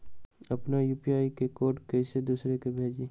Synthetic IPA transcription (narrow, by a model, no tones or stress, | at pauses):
ɐpnajuːpiaːikekoːɾʈkɛɪsed̪uːsɾekebʱeːd͡ʒeː